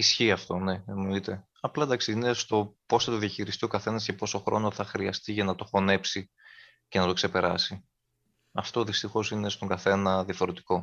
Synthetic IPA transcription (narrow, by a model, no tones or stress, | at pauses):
isçiɐft̪o̞ne̞enoit̪e̞ | ɐplɐd̪ɐksiinest̪o̞po̞sθɐt̪oðiɐçiɾist̪io̞kɐθe̞nɐsce̞po̞so̞xɾo̞̰no̞θɐxɾiɐst̪iʝɐnɐt̪o̞xo̞ne̞psi | ce̞nɐt̪o̞kse̞pe̞ɾɐsi | ɐft̪o̞ðist̪ixo̞sine̞st̪o̞ŋɡɐθe̞nɐðiɐfo̞ɾe̞t̪i̥ko̞